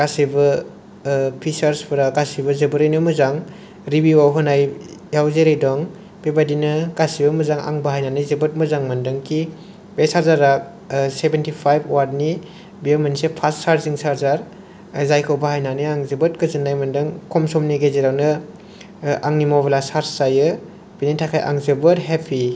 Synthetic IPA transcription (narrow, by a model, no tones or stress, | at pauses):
ɡ̥asibɯ | pʰisaɾspʰɯɾaɡasibɐzɯbuɾɯjnɯmɯzaŋ | ɾibiwawɦɯnajjawzeɾejdɔŋ | bebadinɯɡasibɐmɯzaŋa̰ŋbɐɦajnanɯjzebɯt̚mɯzaŋmɐndɯŋkʰi | besaɾzaɾak̚ | sebentipʰajbowaɾni | bijemanisepʰastsaɾziŋsaɾzaɾ | zajkʰɯwbahajnanɯjaŋzɯbɯt̚kɯzɯnːajmɯndɯŋkʰɔmsɔmniɡezeɾawnɯ | aŋnimɔblasaɾsajɯ | b̥initʰakʰajʔa̰ŋzebɯɾɦepʰi